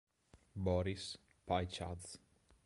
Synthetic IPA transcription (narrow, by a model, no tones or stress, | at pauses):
bɔɾis | pajt͡ʃa̰d̪z